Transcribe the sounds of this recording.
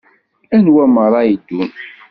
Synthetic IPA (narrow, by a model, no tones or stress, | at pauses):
ænwæməɾˤɑjid̪ːun